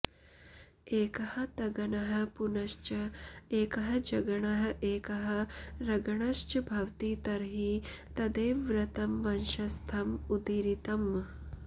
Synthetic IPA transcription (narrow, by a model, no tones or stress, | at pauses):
eːkɐhɐ̆t̪ɐɡɐɳɐɦɐ̆punɐʃt͡ʃɐeːkɐɦɐ̆d͡ʒɐɡɐɳɐɦɐ̆ʔeːkɐɦɐ̆ɾɐɡɐɳɐʃt͡ʃɐbʱɐʋt̪iːt̪ɐɾɦit̪ɐd̪eːʋɾɐt̪ɐmʋɐnʃɐst̪ʰɐmud̪iɾit̪ɐm